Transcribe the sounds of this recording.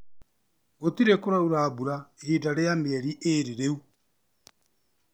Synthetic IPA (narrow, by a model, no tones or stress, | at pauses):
ɣot̪iɾekoɾauɾaːbuɾahiːdaɾeameɛɾiʔeɾiɾeu